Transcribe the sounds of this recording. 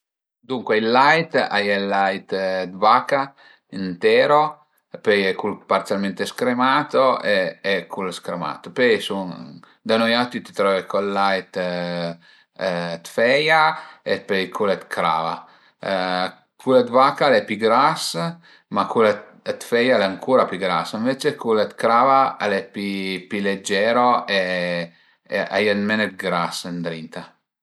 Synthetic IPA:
d̪uŋkweilːajt̪ajɛlːajt̪d̪vaka | int̪ɛːɾo | pejɛkulpart̪sjalment̪eskɾemaːt̪oeːkʰulskɾema̰ːt̪opɛjsun | d̪anojat̪it̪i̥t̪ɾɔvekolːajt̪ | t̪fɛjaepɛjkʰulɛt̪kʰɾa̰ːva | kʰulet̪vakalɛpiɡɾas | makulet̪ | t̪fɛjalɛaŋkʰuɾapiɡɾasəɱvet͡ʃekulet̪kɾaːvaalɛpipiled͡ʒːɛɾoe | ʔa̰janmɛnɛt̪̚ɡɾasənd̪ɾint̪a

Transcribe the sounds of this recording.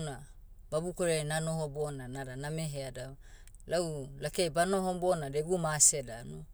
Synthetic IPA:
na | babukoɾenanohobonanadanameɦeada | laulakejbanohobonadeɡumasedano

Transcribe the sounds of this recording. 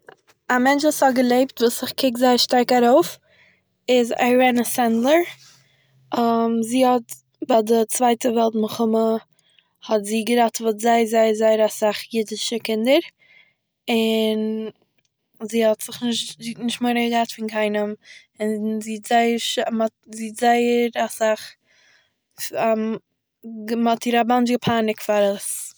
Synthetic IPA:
amɛnt͡ʃvuːshɔɡəlˠeɪptvuːsɪχkʰɪkzaɪəɾʃtaɾkaɾoʊf | ɪza̰ɾɛnəsɛntlˠəɾ | əmziːhɔt | badɪt͡svaɪtəvɛlˠtməχʊmə | hɔtziːɡəɾatvuːtzaɪzaɪəzaɪəɾasaχjɪdɪʃəkɪndəɾ | ɪn | ziːhɔtz̥ɪχnɪʃtzitnɪʃtmoɪɾəɡəɡɾatfɪnkʰaɪnəm | ɪnziːtz̥aɪəɾʃmɔtziːtz̥aɪəɾasaχ | a | ɡmatʰiːɾaband͡ʒɡəpʰaːnɪkfaɾəs

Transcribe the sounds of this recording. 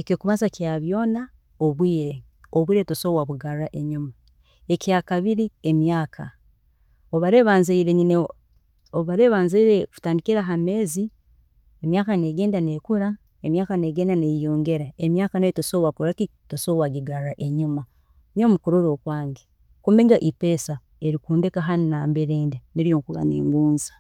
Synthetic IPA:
ekokuβazakiaβjo̞ːna | oβwiːɾe̞ | oβwiːɾetosowaβuɡaɾaʔeɲuma | e̞kiakaβiɾiemjaːkʰa̰ | oβaɾe̞βaːnzeiɾeɲine | oβaɾe̞βaːnzeiɾeku̥taːndikiɾaɦame̞ːzi | emjaːkaneɡe̞ːndanekuɾa | emjaːkaneɡeːndanejoːŋɡe̞ɾaemjaːkaneitosoβakuɾaki | tosoβwaɡiɡaɾaʔeɲuma | nomukuɾuɾokwaːŋɡe | kumbeŋɡaʔipeːsa | eɾikuːndekaɦaninaːmbeɾeːndeniɾijoŋkuɡa̰nḛːŋɡuːnzḁ

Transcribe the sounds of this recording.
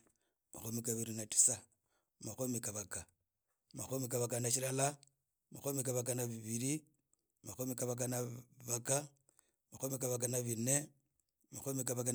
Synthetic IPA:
ma̰xomikaβiɾinati̥sa | maxomikaβaka | maxomikaβakanaʃilala | maxomikaβak̬anaβiβiɾi | maxomikaβak̬anaβaka | maxomikaβak̬anaβine | maxomikaβaka

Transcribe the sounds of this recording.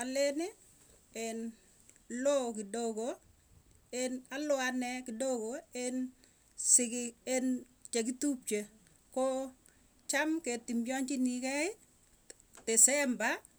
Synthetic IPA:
alenɪ | en | lokɪdoko | enalʊanɛkɪdokoen | sɪkɪen | t͡ʃekitup̚t͡ʃe | kɔ | t͡ʃamketimbjɔɲt͡ʃɪnikɛɪ | tɛsɛmba

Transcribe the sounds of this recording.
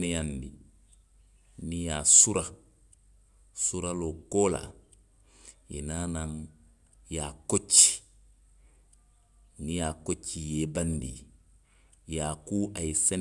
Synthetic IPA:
nɛjandḭ | nijasuɾa | suɾalokoːla̰ | ḭnaːnaŋ | jakot͡ʃːi̥ | nijakot͡ʃːijebandḭ | jaːkuːʔajisɛn

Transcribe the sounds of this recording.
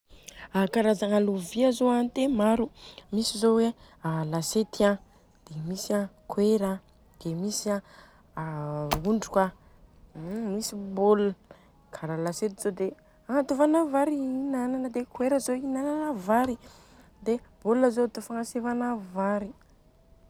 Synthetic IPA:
akaɾazaŋaluviazoant̪emaɾumisizowe | alaset̪iã | d̪̥emisakweɾa | d̪̥emisia | uɳɖ͡ʐuka | misibolə | kʰaɾalaset̪iz̥od̪e | aŋat̪uvanavaɾiinananəd̪ekweɾəzoinananavaɾi | d̪eb̥oləzot̪ofaŋasevanavaɾi

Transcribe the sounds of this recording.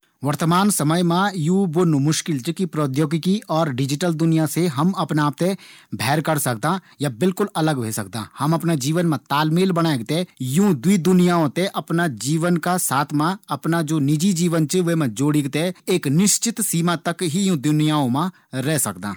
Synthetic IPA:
ʋəɾt̪əmaːnsəməjmãjũːbonumʊʃkɪlt͡ʃəkipɾoːd̪joːɡɪkiɔːɾɖɪd͡ʒɪʈəld̪ʊnɪjaseɦɐmɐpnaːp̚t̪ebʱɛːɾkəɾsɐk̚d̪ã | jabɪlkʊlɐləɡʋʱḛːsɐ̰k̚d̪ã̰ːhɐmɐpnad͡ʒiːʋənmãt̪aːlmiːlbənaːeɡ̚t̪ejũːd̪wid̪ʊnijaːõt̪eʔɐpnad͡ʒiːʋənkasaːt̪ʰmãɐpnad͡ʒoːnɪd͡ʒid͡ʒiːʋənt͡ʃəʋemãd͡ʒoːɽɪɡt̪eeːknɪʃt͡ʃɪt̪siːmat̪ɐkɦijũːd̪ʊnijaːõmã | ɾɛːsɐk̚d̪ã̰ː

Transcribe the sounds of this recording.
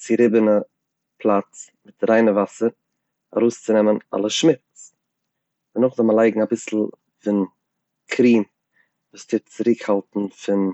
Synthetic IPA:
t͡sɪɾɪbənə | pʰlˠat͡s | mɪtɾaɪnəvasəɾ | a̰ɾoʊst͡sɪnɛməna̰lˠəʃmɪt͡s | dɪnʊχzɔlˠməlˠaɪɡŋ̩abɪsl̩ˠ | fɪn | kʰɾiːm | vuːstʰɪt͡sɪɾɪkhalˠtn̩fɪn

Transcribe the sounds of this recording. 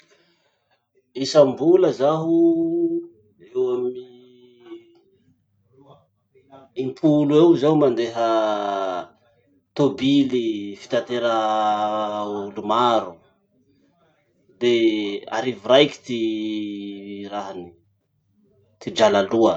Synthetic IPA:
isambuləzaɦu | ewami | impʰuluewzaumand̪eɦə | t̪obilifi̥t̪ant̪eɾə | ulumaɾu | d̪ea̰ɾiviɾajki̥t̪i | raɦani | t̪id͡ʒalaluə

